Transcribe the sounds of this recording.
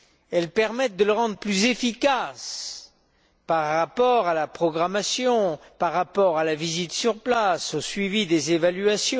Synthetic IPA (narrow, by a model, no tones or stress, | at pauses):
ɛlpɛʁmɛt̪̚d̪ələʁɑ̃d̪ʁəplyzefikas | paʁːapɔʁalapχɔɡʁamasjɔ̃paʁːapɔʁalavizit̪syʁplasosɥivid̪ezevalɥasjɔ̃